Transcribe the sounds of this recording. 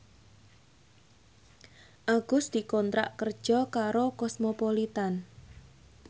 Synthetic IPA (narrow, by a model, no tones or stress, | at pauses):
ʔaɡ̥ʊsd̪̥i̤kɔnt̪ɾa̰ʔkərd̥ʒ̥ɔ̤kaɾokɔsmopolit̪an